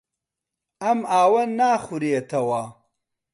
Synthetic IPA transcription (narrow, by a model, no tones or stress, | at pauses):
ɐmaːwɐnaːχuɾiet̪ʰɐwaː